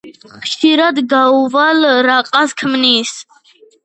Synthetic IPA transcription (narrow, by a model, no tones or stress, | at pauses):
χʃiɾad̪ɡauvalɾaqʼaskʰmnis